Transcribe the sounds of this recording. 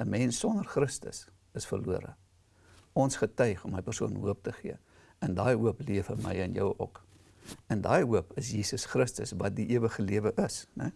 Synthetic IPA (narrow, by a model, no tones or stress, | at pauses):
əmɛnsːɔnərχrəstə̰s | əsfə̰rluəɾə̰ | ɔnsχətœɥχɔmɦəjpərsuənɦuəp̚təχiə | ɛndɑːjɦuəpliəfəmə̰jənjə̰wɔ̰k | əndɑːjɦuəpəsjiːsəsχrəstə̰svɐt̚diʔiəvəχəliəvəʔəsnɛ̰